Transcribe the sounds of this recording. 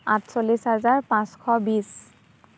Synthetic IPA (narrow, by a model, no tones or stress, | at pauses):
atsolisɦazaɹpãskʰɔbis